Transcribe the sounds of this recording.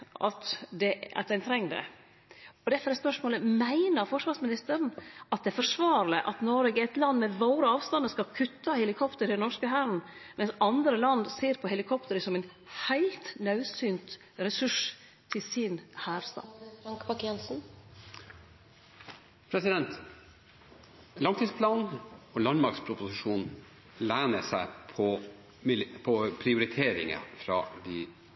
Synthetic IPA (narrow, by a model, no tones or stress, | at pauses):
ɑ̰t̪d̪ɛɑ̰t̪d̪æɪnt̪ʰɾɛŋːd̪ɛ̰ | ɔd̪ɛfɔɾɛspœʂmoːləmæɪnəɾfɔʂʋɑːɾsmɪnɪst̪əɾnʔɑt̪̚d̪ɛæɾfɔʂʋɑːɾlɪʔɑt̪nɔɾɛɡəɛt̪lɑnd̪mɛʋoːɾəɑːʋst̪ɑnəskɑkʰʉt̪ːɑhɛlɪkʰɔpt̪əɾɪd̪ɛnɔʂkəɦæːɾn̩mɛnsɑnd̪ɾəlɑnd̪seːɾpʰɔhɛlɪkʰɔpt̪əɾəsɔmæɪn | hæɪlt̪nœʉsyːnt̪ | ɾɛsʉʂ | t̪ʰɪlsɪnhæːɾst̪ɑ̰ːɑŋkpɑkjɛnsn̩ | pʰɾɛsɪd̪ɛnt̪ | lɑŋt̪ʰiːspʰlɑːnolɑnmɑɾkspʰɾʊpʊsɪʂuːn | læɪnəsæɪpʰɔ | mɪlpʰɔpʰɾɪʊɾɪt̪ʰeːɾɪ̰ŋə̰fɾɑ̰ːd̪i